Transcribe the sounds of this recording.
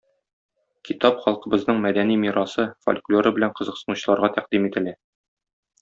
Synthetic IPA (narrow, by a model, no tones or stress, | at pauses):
kit̪ɑpχɒlˠqɤ̆bɤ̆znɤɴmæd̪ænimiɾɑsɤfo̰lʲklʲoɾɤbɘ̆læɴqɤ̆zɤ̆qsɤ̆nuɕɤ̆lˠɑɾʁɑt̪æqd̪imit̪ɘ̆læ